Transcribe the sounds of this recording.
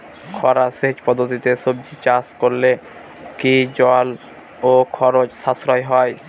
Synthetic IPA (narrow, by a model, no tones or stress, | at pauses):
kʰɔɾaseɦd͡ʑpɔd̪ʱːot̪it̪esob̚d͡ʑit͡ɕaskoɾle | kid͡ʑɔl | okʰɔɾod͡ʑsasɾɔjɦɔj